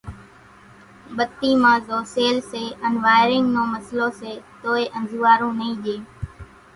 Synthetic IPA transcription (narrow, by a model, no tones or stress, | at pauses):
ɓət̪ːiːmãːzoːseːlseːənʋaːɪɾɪŋɡnõːməsloːseːt̪oːeːʔə̃nzuːaːɾũːnəĩːʄeː